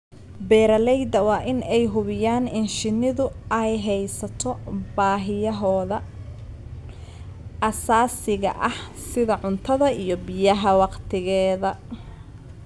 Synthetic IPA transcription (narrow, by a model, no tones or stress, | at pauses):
bɛːɾɐlɛjd̪ɐwɑːʔɪnɛjɦʊβɪjaːnɪnʃɪnɪðʊɛjɦɛjsɐt̪ʰɔbaːɦɪjɐɦɔːðɐ | ɐsaːsɪɣɐ̰ʔɐh | sɪðɐʕʊnt̪ʰɐðɐijɞbɪjɐɦɐwɑqt̪ʰɪɣɛːðɐ